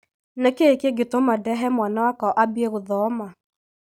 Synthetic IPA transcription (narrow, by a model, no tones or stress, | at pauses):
nɛkeːkeɡetomadɛɦɛmwanawakɔʔabieɣoðɔma